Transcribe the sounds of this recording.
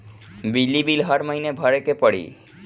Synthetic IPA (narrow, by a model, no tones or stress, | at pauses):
bilːibilɦəɾməɦinebʱəɾekepəɽḭ